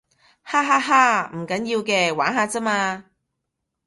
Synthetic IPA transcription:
haː˥ɦaː˥ɦaː˥m̩˨˩kɐ˨˥njiː˧wkɛː˧waː˨˥nɦaː˧t͡sɐ˥maː˧

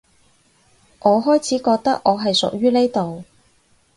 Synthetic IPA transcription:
ʔɔː˨˧ɦɔː˥jt͡sʰiː˨˥kɔː˧k̚t̪ɐ˥k̚ʔɔː˨˧ɦɐ˨jsʊ̰˨k̚jyː˥ne˥jt̪o˨w

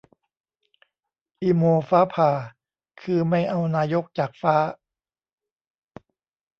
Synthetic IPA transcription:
ʔiː˧moː˧faː˦˥pʰaː˨˩ | kʰɯː˧ma˥˩jʔa˧wnaː˧jo˦˥k̚t͡ɕaː˨˩k̚faː˦˥

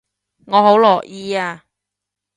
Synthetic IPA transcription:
ŋɔː˨˧ɦo˨˥wlɔː˨˩k̚jiː˧aː˧

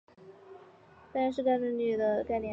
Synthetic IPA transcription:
t̪a˥˧ɻʂɻ̩˥˧ka˥˧nə˥˧ny˥˩d̪ə˩ka˥˧ɪnjɛ˥˩

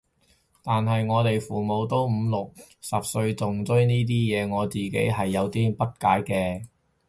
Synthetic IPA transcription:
t̪aː˨nɦɐ˨jŋɔː˨˧t̪e˨jfuː˨˩mo˨˧wt̪o˥wm̩˨˧lʊ˨k̚sɐ˨p̚sɵ˧ɥt͡sʊ˨ŋt͡sɵ˥ɥniː˥t̪̬iː˥jɛː˨˧ŋɔː˨˧t͡siː˨kḛ˨˥jɦɐ˨jːɐ˨˧wt̪iː˥pɐ˥t̚kaː˨˥jkɛː˧

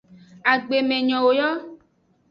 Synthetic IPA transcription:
a˨ɡ͡be˨mẽ˨ɲɔ̃˨wo˨jɔ˦

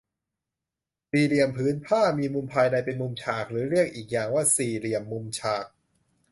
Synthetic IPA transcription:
siː˨˩ɾi˨˩əmpʰɯː˨˦˥npʰaː˥˩miː˧mu˧mpʰaː˧jna˧jpe˧nmu˧mt͡ɕʰaː˨˩k̚ɾɯː˩˦ɾi˥˩ək̚ʔiː˨˩k̚jaː˨˩ŋwaː˥˩siː˨˩ɾi˨˩əmːu˧mt͡ɕʰaː˨˩k̚

